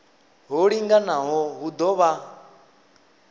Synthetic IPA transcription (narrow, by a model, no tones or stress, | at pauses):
ɦɔɺiŋɡanaɦɔɦud̪ɔβa